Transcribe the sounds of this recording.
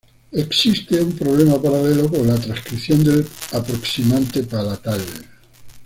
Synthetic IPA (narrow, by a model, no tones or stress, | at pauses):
eksist̪eumpɾoβlemapaɾalelokonlat̪ɾãskɾiθjond̪elapɾoksimãnt̪epalat̪al